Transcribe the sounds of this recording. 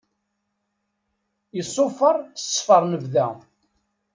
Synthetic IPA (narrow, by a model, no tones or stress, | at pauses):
jəsˤːofəɾˤsˤfəɾˤnəvðæ